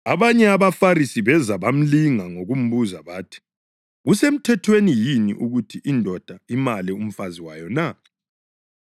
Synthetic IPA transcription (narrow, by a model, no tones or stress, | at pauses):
aβaɲɛaβafarisiβɛzaβam̩liŋaŋoɣum̩βuzaβaːtʰi̥ | ɣusem̩tʰɛtʰwenijinḭʔuɣutʰiʔindʱɔd̥ʱaimalium̩faziwajɔna